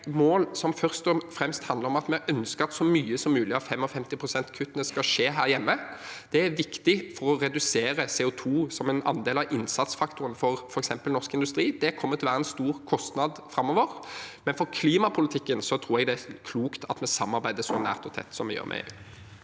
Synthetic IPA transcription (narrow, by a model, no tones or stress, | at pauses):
moːlsɔmfœʁst̪ɔfɾɛmst̪hɑnd̪ləɾɔmɑt̪mɛʔœnskəɾɑt̪sɔmyːəsɔmːʉːlɪɑfɛmːɔfɛmt̪ɪpʰɾʊsɛnt̪kʰʉt̪ːənəskɑʂeːɦæːɾjɛmːəd̪̥ɛæɾʋɪkt̪ɪfɔɾɔɾɛd̪ʉseːɾəseːʊt̪ʰuːsɔmɛnɑ̰nd̪eːlɑʋʔɪnsɑt̪sfɑkt̪ʊɾənfɔɾfɔɾɛksɛmpəlnɔɾskɪnd̪ʉst̪ɾiːd̪ɛkʰɔmːət̪ʰɪlʋæːɾəɛnst̪uːɾkʰɔst̪nɑd̪fɾɑmːɔʋəɾmɛnfɔɾkʰliːmɑpʰʊlɪt̪ʰɪkːənsɔt̪ʰɾuːɾɛɡd̪ɛækʰluːkt̪ʰɑt̪mɛsɑmːɑɾbæɪd̪əsɔnæ̰ːʁt̪ɔt̪ʰɛ̰t̪ːsɔmːɛjø̰ːɾmʔɛ̰